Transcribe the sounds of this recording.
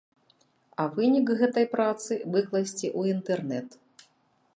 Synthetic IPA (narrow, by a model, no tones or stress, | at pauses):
ɐvɨnʲikɣɛt̪ɐjpɾat̪sɨvɨklˠɐsʲt͡sʲiʔuint̪ɛrnɛt̪